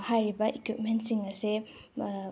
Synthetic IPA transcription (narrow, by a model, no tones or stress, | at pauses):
hajɾibɐʔikwip̚mentsiŋɐse